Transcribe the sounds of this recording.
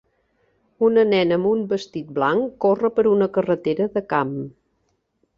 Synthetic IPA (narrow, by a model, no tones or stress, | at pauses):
unənɛnəmumbəst̪it̪̚blaŋkːorəpəɾunəkərət̪eɾəðəkam